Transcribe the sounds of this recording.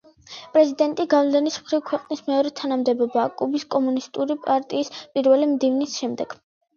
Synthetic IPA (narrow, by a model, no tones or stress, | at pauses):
pʼɾɛzid̪ɛnt̪ʼiɡamlɛnismχɾivkʰwɛqʼnismɛɔɾɛt̪ʰanamd̪ɛbɔbaːkʼubiskʼɔmunist̪ʼuɾipʼaɾt̪ʼiːspʼiɾvɛlimd̪ivnisʃɛmd̪ɛɡ̥